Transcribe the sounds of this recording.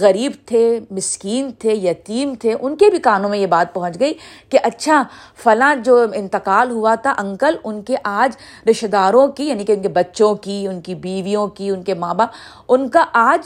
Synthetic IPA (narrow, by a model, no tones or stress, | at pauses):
ɣɐɾiːbt̪ʰemɪskiːnt̪ʰejɐt̪iːmt̪ʰeʔʊnkebʱikaːnõmẽjebaːt̪̚pɐɦʊ̃t͡ʃɡɐiːkeʔɐtːʃʰa | fɐlãd͡ʒoːɪ̃nt̪ɪqaːlɦuat̪ʰaʔɐ̃ŋkəlʊnkeʔaːd͡ʒ | ɾɪʃd̪aːɾõkijaːnikeʊnkebɐtːʃõkiʊnkibiːʋijõkiʊnkemãːbaːb | ʊnkaʔaːd͡ʒ